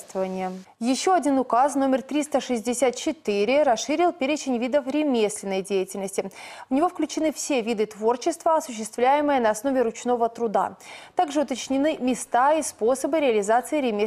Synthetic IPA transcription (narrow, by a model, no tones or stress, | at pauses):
t̪vəvənʲɪjəjɪɕːoɐdʲinʊkasno̞mʲɪrt̪ɾʲist̪əʂɨzʲdʲɪsʲat̪̚t͡ɕɪt̪ɨɾʲɪɾɐsʂɨɾʲɪlˠpʲeɾʲɪt͡ɕɪnʲvʲid̪əfɾʲɪmʲesʲlʲɪnːəjdʲejɪtʲɪlʲnəsʲtʲɪvnʲɪvofklʲʉt͡ɕɪnɨfsʲe̞vʲid̪ɨt̪vo̞rt͡ɕɪst̪vəɐsʊɕ̬ːɪst̪vlʲæjɪmɨjənɐɐsno̞vʲɪɾʊt͡ɕno̞vət̪ɾʊd̪a̰t̪aɡʐɨʊt̪ət͡ɕnʲɪnɨmʲɪst̪aisposəbɨɾʲɪɐlʲɪzat̪sɨɪɾʲɪmʲe